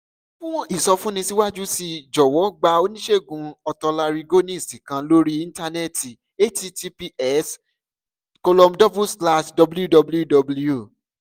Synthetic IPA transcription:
fũ˦w̃ɔ̃˦ʔi˦˨sɔ˧fũ˦nĩ˧si˦wa˦d͡ʒu˦si˧d͡ʒɔ˨wɔ˨˦ɡ͡ba˧o˧nĩ˦ʃe˦˨ɡũ˧ɔ˧tɔ˧la˧ɾi˧ɡo˦nĩ˦i˨sĩ˨kã˧lo˦ɾi˦ĩ˧˦n˦ta˧ne˦˨ti˨ | e˦ti˧˦ti˧pi˧ɛ˦s | kɔ˧lɔ˧mdɔ˦bu˦sla˦ʃdɔ˧blju˦dɔ˧blju˦dɔ˧bu˦ljo˨

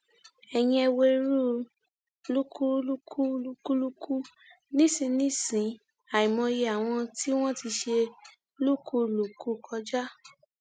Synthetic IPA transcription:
ɛ˨j̃ĩ˧ɛ˧we˧ɾu˦ | lu˦ku˦lu˦kʰu˦lu˦ku˦lu˦kʰu˦ | nĩ˦sĩ˧nĩ˦sĩ˨˦ | a˨i˨mɔ̃˧je˧a˨w̃ɔ̃˧ti˦w̃ɔ̃˦ti˧ʃe˧ | lu˦ku˦lu˨ku˧˦kʰɔ˧d͡ʒa˦

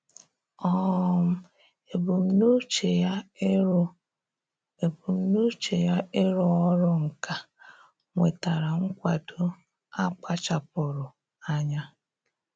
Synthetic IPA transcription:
ɔ˦m̩˦ | e˨bu˨m̩˦no˦t͡ʃe˨ja˦˨ | bu˨m̩˦no˦t͡ʃe˨ja˦ʔe˦ɾɔ˨ɔ˦ɾʊ˦ŋ̩˨ka˦ | ŋʷe˨ta˨ɾa˨ŋ̩˦kʷa˨do˦ | a˦k͡pa˦t͡ʃa˨pʊ˨ɾʊ˨ | a˦ɲa˦

